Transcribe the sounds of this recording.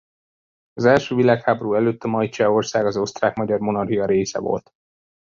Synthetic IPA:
ɒzɛlʃøːvilaːkhaːbo̞ɾuɛløːt̪ːɒmɒjt͡ʃɛo̞rsaːɡɒzost̪raːkmɒɟɒrmo̞nɒrɦijɒɾeːsɛ̰vo̞̰lt̪

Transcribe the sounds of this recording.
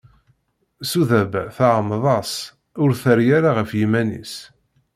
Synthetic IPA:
suðæbæθaʕəmːəðˤɑs | ʊɾθəɾjaɾaʁəfjimænḭs

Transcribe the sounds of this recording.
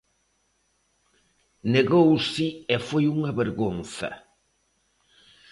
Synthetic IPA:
neɣowsɪɛfojuŋɐβeɾɣonθɐ̰

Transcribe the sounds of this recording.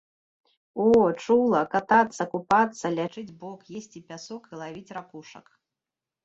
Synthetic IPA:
ɔt͡ʂulˠɐkat̪at̪sːɐkupat̪sːɐlʲat͡ʂɨd͡zʲbɔkjesʲt͡sʲipʲasɔkilˠavʲit͡sʲɾakuʂɐ̰k

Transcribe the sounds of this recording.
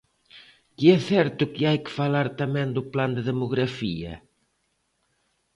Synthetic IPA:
kiɛθɛɾt̪ʊkɪajkɪ̥falaɾt̪amɛ̃nd̪ʊpland̪eðemʊɣɾafiɐ̰

